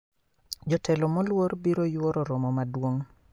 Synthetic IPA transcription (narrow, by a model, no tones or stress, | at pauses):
d͡ʒɔtɛlɔmɔlwoɾbiɾojwoɾɔɾɔmɔmadwoŋ